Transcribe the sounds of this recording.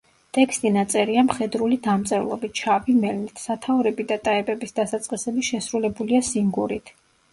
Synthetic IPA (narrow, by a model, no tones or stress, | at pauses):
t̪ʼɛkst̪ʼinat̪sʼɛɾiamχɛd̪ɾulid̪amt̪sʼɛvlˠɔbit͡ʃʰavimɛlnit̪ʰsat̪ʰauɾɛbid̪at̪ʼaɛbɛbisd̪asat̪sʼqʼisɛbiʃɛsɾulɛbuliasiŋɡuɾit̪ʰ